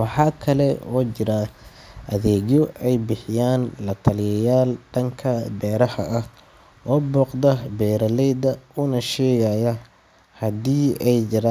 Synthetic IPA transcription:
wɑħɑːkʰɐlɛɔːt͡ʃɪɾɐ | ʔɐðɛːɣjɔʔɛjbɪħɪjaːnlɐt̪ʰɐlɪjɐjaːlɖɐŋkʰɐbɛːɾɐhɐ̰ʔɐh | ʔɔːbɔːqd̪ɐbɛːɾɐlɛjd̪ɐʊnɐʃɛːjajɐ | hɐd̪iːɛjd͡ʒɪɾaː

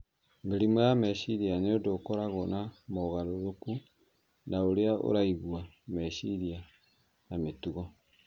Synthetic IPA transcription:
mɡeɾimojamɛʃiɾianeodokɔɾaɣɔnamɔɣaɾoɾoku | naoɾeao̰ɾaiɣwa | mɛʃiɾia | nametuɣɔ

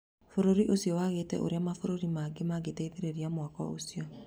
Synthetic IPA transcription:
foɾoɾiʔosjɔwaɣeːtɛ̰ʔo̰ɾeamafoɾoɾimaːɡemaɡetaiðeɾeɾiamwakɔ̰o̰sjɔ

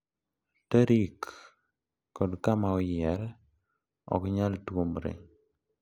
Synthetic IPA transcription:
təɾikː | ɔdkamaɔjɛɾ | ɔ̰kɲaltwomɾḛ

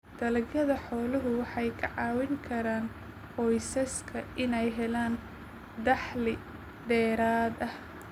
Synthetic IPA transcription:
d̪̥ɐlɐɡjɐðɐħɔːlɐɦʊwɑħɑjkʰɐʕɑːwɪŋkʰɐɾaːn | qʰɔjsɐskʰɐʔɪnɛjɦɛlaːn | d̪ɑħlɪ | d̪ɛːɾaːd̪ɐh

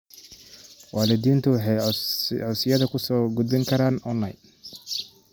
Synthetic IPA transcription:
wɑːlɪd̪iːnt̪ʰʊwɑħɑjʕɔsɪjɐðɐkʰʊsɔːɡʊd̪bɪŋkʰɐɾaːnɔnːɐj

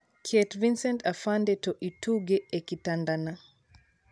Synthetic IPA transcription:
kʰɛtvinsɛntafandɛtɔʔituɡɛekitandana

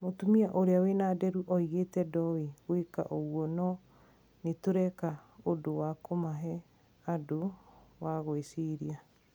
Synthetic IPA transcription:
motumiaʔoɾeawenaːdɛɾuʔɔiɣetɛdɔwiweka̰ʔoɣwɔnɔ | netoɾɛkaodowakomaɦɛ | adowaɣoesiɾia

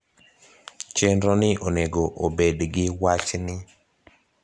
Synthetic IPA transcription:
t͡ʃenɾɔnɪʔoneɡoʔobedɡɪwat͡ʃnɪ

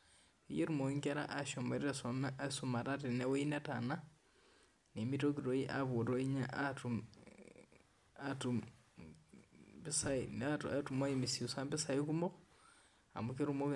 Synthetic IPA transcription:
ejeɾumoŋɡaɾa̰ʔaʃomaɾiɾassumaɾatenewoinatana | nemitokiɾoiʔa̰βoɾoiɲaʔtu | atu | bisaatumaimisiusambisaikumo | a̰mukeɾumok

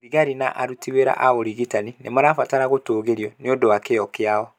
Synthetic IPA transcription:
iɣaɾinaʔa̰ɾutiweɾa̰ʔaɣoɾiɣitaninḛmaɾafataɾaɣotoːɣeɾiɔneodowakejɔkeaɔ

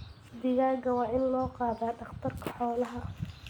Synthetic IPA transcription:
d̪ɪɣaːɡɐwɑːʔɪnlɔːqɑːðaːɖɑχt̪ʰɐrkʰɐ̥ħɔːlɐɦɐ

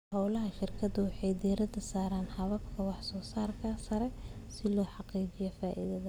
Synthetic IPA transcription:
hɑwlɐɦɐʃɪrkʰɐd̪ɐwɑħɑjd̪iːɾɐd̪ɐsaːɾaːnħɐβɐbkʰɐwɑħsɔːsaːrkʰɐsɐɾɛsɪlɔːħɑqiːt͡ʃɪjɔfaːʔḭðɐðɐ

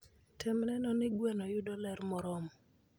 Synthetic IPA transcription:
tʰɪmnɛnɔnɪɡwɛnɔjʊdɔlɛɾmɔɾɔm

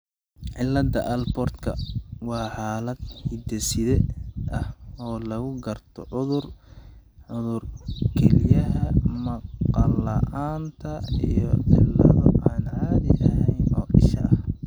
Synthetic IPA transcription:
ʕɪlːɐd̪ɐʔɐlbɔrt̪kʰɐwɑːħaːlɐd̪hɪd̪ɛsɪðɛʔɐhɔːlɐɣʊɡɐrt̪ʰɔʕʊðʊr | ʕʊðʊrkʰɛlɪjɐɦɐmɑqɑlɐʔaːnt̪ʰɐijɔʕɪ̰lːɐ̰ðɔʔaːnaːðɪɐɦɛjnɔːʔɪ̰ʃɐ̰ʔɐh

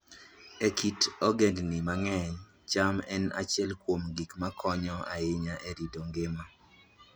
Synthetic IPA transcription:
ekitɔɡendnɪmaŋɛɲ | t͡ʃamɛna̰t͡ʃɪɛlkwomɡikmakʰɔɲɔaɪɲaʔeɾidoŋɡɪma

